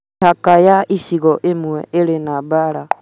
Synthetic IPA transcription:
akajaʔisiɣɔʔemwɛ̰eɾenabaɾa

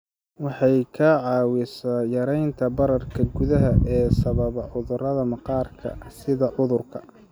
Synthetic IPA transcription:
wɑħɑjkʰɐʕɑːwɪsaːjɐɾɛjnt̪ʰɐbɐɾɐrkʰɐɡʊðɐɦɐʔɛːsɐβɐβɐʕʊðʊrɐðɐmɑqɑːrkʰɐ̰sɪðɐʕʊðʊrkʰɐ

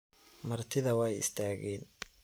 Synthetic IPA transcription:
mɐrt̪ʰɪðɐwɑjɪ̰st̪ʰaːɣɛːn

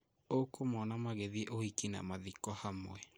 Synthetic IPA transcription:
okomɔnamaɣeðieʔohikina̰maðikɔhamwɛ

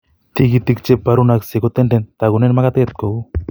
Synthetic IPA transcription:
t̪iɡit̪ik̚t͡ʃepːaɾunaksekot̪enɖent̪aɣunenmaɣat̪et̪̚ko

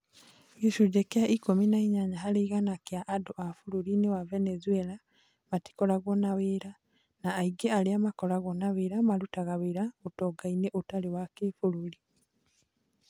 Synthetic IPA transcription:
meʃuɟekjaʔikominaiɲaɲaɦaɾiɣanakjaʔːdoʔafuɾuɾinewavenezuela | mati̥kɔɾaɣwɔnaweːɾa | naːiɡeaɾeamakɔɾaɣɔnaweːɾamaɾutaɣaweːɾaotɔɡaineʔotalewakefuɾuɾi

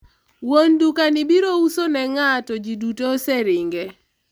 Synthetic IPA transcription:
wondukanɪbiɾousonɛŋatɔd͡ʒidutosɛɾɪŋɡɛ

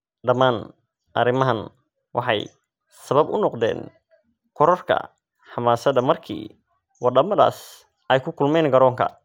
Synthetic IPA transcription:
ɖɐmaːn | ʔɐ̰ɾɪmɐɦɐn | wɑ̰ħɑ̰j | sɐβɐbʊ̰nɔqd̪ɛ̰ːn | kʰɔɾɔrkʰɐ̰ | ħɑmaːsɐd̪ɐmɐrkʰḭː | wɑd̪ɐmɐða̰ːs | ʔɛjkʰʊkʰʊlmɛːnɡɐɾɔːŋkʰɐ̰

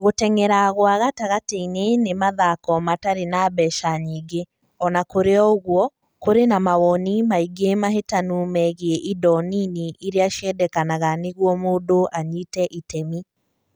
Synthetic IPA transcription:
ɣotɛŋɛɾaɣwaɣataɣateinenemaðakɔmataɾenabɛʃaɲiːɡe | ɔnakoɾeɔoɣwɔ | koɾenamawɔnimaiɡemaɦetanumɛɣeɛʔidɔniniʔiɾeaʃiɛdɛkanaɣaneɣwɔmoːdoʔaɲitɛʔitɛmi

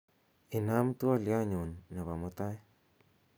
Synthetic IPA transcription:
inamt̪ualjaɲonːaβamot̪aj

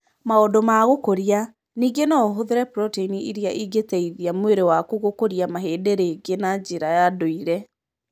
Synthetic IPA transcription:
maɔdomaɣokoɾia | niːɡenaoɦoðeɾɛpɾɔteiniiɾiaʔiɡetɛiðiamweɾewakuɣokoɾiamaɦeːdeɾeɡenad͡ʑeɾajadoiɾɛ

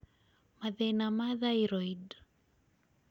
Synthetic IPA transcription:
maðɛnamaðaiɾɔid

